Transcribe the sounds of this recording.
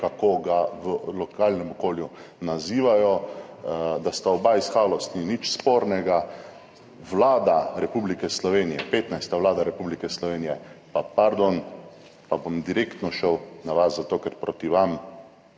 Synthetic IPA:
kakoɡaʋəlɔkʰaːlnɛmɔkoːljunaziːʋajɔ | d̪ast̪aɔbaisxaːlɔst̪ninit͡ʃspoɾnɛɡa | ʋlaːd̪aɾɛpublikɛslɔʋeːnijɛpeːt̪najst̪aʋlaːd̪aɾɛpublikɛslɔʋeːnijɛpapaɾd̪on | pabomd̪iɾeːkt̪nɔʃəwnaʋaszat̪oːkɛɾpɾot̪iʋam

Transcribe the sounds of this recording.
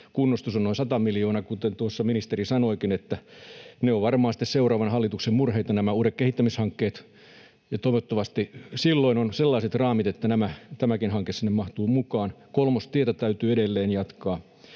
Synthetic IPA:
kunːost̪usonoisɑt̪ɑmiljoːnɑkut̪ent̪uosːɑminist̪erisɑnoikinet̪ːæneoʋʋɑrmɑːsi̥t̪ːˑesseurɑːʋɑnhɑlːit̪uksemmurheit̪ɑnæmæuːɾekkehit̪ːæmishɑŋkːeːt̪ | jɑt̪oiʋot̪ːoʋɑst̪isilːoinonselːɑiset̪rɑːmit̪et̪ːænæmæt̪æmækinhɑŋkesinːemmɑht̪uːmukɑːnkolmost̪iet̪æt̪æyt̪yːedelːeːnjɑt̪kɑː

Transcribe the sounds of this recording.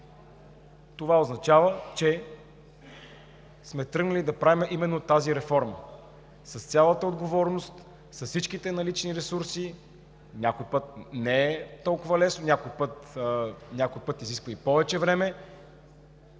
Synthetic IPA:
t̪ovaoznɐt͡ʃavət͡ʃɛ | smɛt̪ɾɤɡnəlid̪ɐpɾavimɛʔimɛnːot̪aziɾɛfɔɾmə̰ | sɐst̪sʲalˠət̪əod̪ɡovɔɾnost̪ | sɐfsit͡ʃkit̪ɛnɐlit͡ʃniɾɛsuɾsi | nʲakojipɤt̪̚nɛɛt̪ɔlˠkʊvəlɛsnonʲakojpɤt̪ | nʲakojpɤt̪iziskvəipɔvɛt͡ʃɛvɾɛmɛ

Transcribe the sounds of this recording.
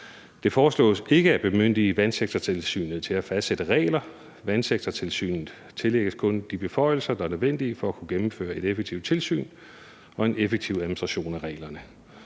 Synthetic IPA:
d̥e̝fɒːslɔ̰̽ːse̝ɡ̥əæb̥e̝møn̰d̥iʋænseɡ̥̚t͡sʰɐt͡sʰe̝lsy̰ːnð̩ˠt͡sʰe̝læfæsd̥sed̥əʁɛ̰ːɪlɐ | ʋænseɡ̥̚t͡sʰɐt͡sʰe̝lsy̰ːnð̩ˠ | t͡sʰe̝leɡ̥əskʰɔ̽nd̥ib̥e̝fɒ̽ɪ̰l̩sɐd̥ɑ̈æɐnøʋen̰d̥iəfɒ̽ækʰuɡ̥emm̩fø̰ːɐe̝d̥efeɡ̥̚t͡sʰiʊdt͡sʰe̝lsy̰ːn | ɒ̽e̝nefeɡ̥̚t͡sʰiʊ̰æð̩ˠmin̩sd̥ʁɑɕo̝̰ːnæʁɛ̰ːlɐnə

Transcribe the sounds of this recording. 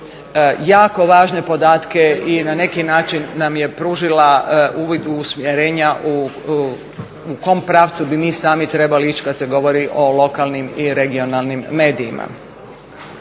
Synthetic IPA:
jaːko̞ʋaːʒne̞po̞d̪aːt̪ke̞inane̞kinaːt͡ʃinːamje̞pɾuːʒilauːʋid̪uːsmjeɾeːɲaʔu | uko̞mpɾaːʋt̪subimiːsaːmit̪ɾe̞baliit͡ʃkad̪t̪seɡo̞ʋo̞ɾiʔo̞lo̞kalˠnimiɾe̞ɡio̞nalˠnimːe̞ːd̪iːmʔa̰

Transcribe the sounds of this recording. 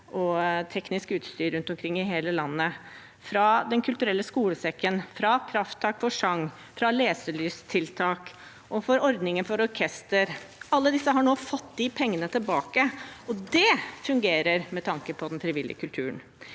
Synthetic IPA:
ʔɔt̪ʰɛknɪskʉːt̪st̪yːɾʉnt̪ɔmkʰɾɪŋːɪɦeːləlɑnːə | fɾɑd̪ɛnkʰʉlt̪ʉɾɛlːəskuːləsɛkːənfɾɑkʰɾɑft̪ʰːɑːkfɔʂɑŋː | fɾɑleːsəɭyːst̪ʰɪlt̪ʰɑːk | ʔɔfɔɾɔɾd̪nɪŋənfɔɾɔɾkʰɛst̪əɾɑlːəd̪ɪsːəɦɑɳoːfɔt̪ːd̪ɪpʰɛŋːənət̪ʰɪlbɑːkəɔd̪ɛfʉŋɡeːɾəɾmɛt̪ʰɑŋkəpʰɔd̪ɛnfɾɪʋɪlɪ̰ə̰kʰʉlt̪ʰʉːn

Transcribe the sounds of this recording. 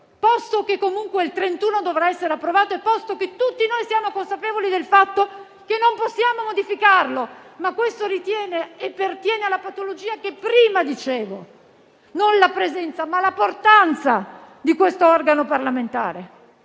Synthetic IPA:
pɔst̪okekːomuŋkweilt̪ɾent̪uːnod̪ovɾaɛsːeɾeapːɾovaːt̪oepːɔst̪oket̪ːut̪ːinojsiaːmokonsapeːvolid̪elfat̪ːo | kenːomposːjaːmomod̪ifikarlomakːwest̪oɾit̪jɛːneːpːert̪jɛːnealːapat̪olod͡ʒiːakepːɾiːmad̪it͡ʃeːvo | nonlapɾezɛnt̪samalaport̪ant̪sa | d̪ikwest̪oɔrɡanoparlament̪a̰ːɾe

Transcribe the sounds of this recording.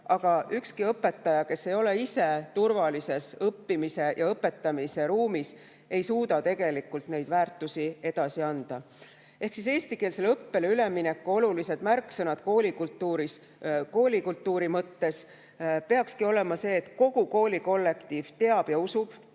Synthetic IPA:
ʔɑɡ̥ɑʔykskiɤpːe̞t̪ˑːɑjɑke̞sːe̞jo̞le̞ise̞t̪urvɑlise̞sɤpːimise̞jʔɑɤpːe̞t̪ːˑɑmise̞ɾuːmis | e̞jsuːd̪̥ɑt̪e̞ɡ̥e̞likːˑult̪ne̞jd̪væːrt̪ˑːusie̞d̪̥ɑsiɑnd̪̥ɑ | e̞hksise̞ːst̪ike̞ːlse̞lɤpːe̞lyle̞minekːuo̞lulise̞d̪̥mærkːsɤnɑd̪̥koːlikult̪ːuɾis | ko̞ːlʲikult̪ːˑuːɾimɤt̪ːe̞s | pe̞ɑkskio̞le̞mɑse̞ːt̪ko̞ɡ̥uko̞ːlʲiko̞lːe̞kt̪iːv̥t̪e̞ɑb̥jɑusub̥

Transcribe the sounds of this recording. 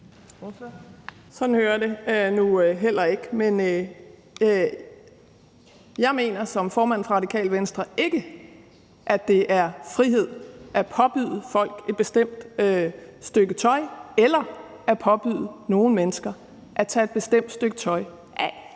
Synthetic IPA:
sɒ̽d̥n̩høːɐde̝nuɦel̰ɐe̝ɡ̥men | jɑ̈ɪme̝̰ːnɐsɒ̽mfɒːmæn̰fʁɑʁɑd̥ikʰɛ̰ːlʋensd̥ʁɐʔe̝ɡ̥ə | ʔæd̥e̝ʔæɐfʁihe̝ð̞̰ˠʔæpʰɒ̽b̥y̰ð̰ˠəfɒ̽l̰ɡ̥e̝d̥̚b̥e̝sd̥em̰d̥ | sd̥øɡ̥ət͡sʰɒ̽ɪelɐ | æpʰɒ̽b̥yðˠəno̝ːn̩menəsɡ̥ɐ | ʔæt͡sʰɛːe̝d̥̚b̥e̝sd̥em̰d̥sd̥øɡ̥ət͡sʰɒ̽ɪ | ʔæ

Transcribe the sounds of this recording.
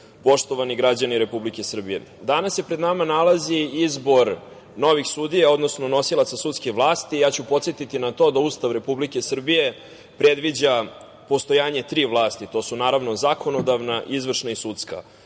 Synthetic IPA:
po̞ʃt̪o̞ʋaniɡɾad͡ʑaniɾe̞publikesr̩bijḛd̪anasje̞pɾe̞d̪namanalˠaziizbo̞ɾ | no̞ʋixsud̪ijao̞d̪no̞sno̞no̞silˠat̪sasut̪skixʋlˠaːst̪ijaːt͡ɕupot̪set̪it̪inat̪o̞ːd̪aust̪aʋɾe̞publike̞sr̩bije̞ | pɾe̞d̪ʋid͡ʑa | po̞st̪o̞jaːɲe̞t̪ɾiːʋlˠaːst̪it̪o̞ːsunaːɾaʋno̞zakʰo̞no̞d̪aʋnaʔizʋr̩ʃnaisut̪ska̰

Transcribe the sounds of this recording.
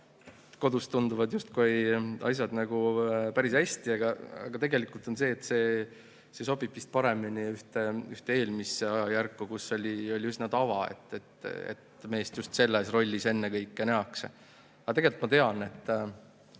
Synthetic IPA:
ko̞d̪ust̪ːund̪uvɑd̪just̪kujɑ̰js̬jɑd̪nɑɡ̥upæɾisæsʲt̪iɑɡ̥ɑɑ̰ɡ̥ɑt̪e̞ɡe̞likult̪o̞nse̞ːt̪ːˑse̞ː | se̞so̞b̥ib̥vist̪̚pɑɾe̞miniyht̪eyht̪ee̞ːlmiseɑjɑjærkːukusːo̞lʲio̞lʲiyznɑt̪ɑvɑe̞̰t̪ːˑet̪ḛt̪me̞ːst̪just̪se̞lːesro̞lʲːise̞nːekɤjkːeneɑks | ɑt̪e̞ɡe̞lt̪mɑt̪e̞ɑne̞t̪ː

